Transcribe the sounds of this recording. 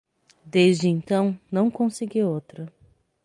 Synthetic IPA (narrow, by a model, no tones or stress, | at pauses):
d̪ezd͡ʒɪẽnt̪ɐ̃w̃nɐ̃w̃kõsɪɡiowt̪ɾɐ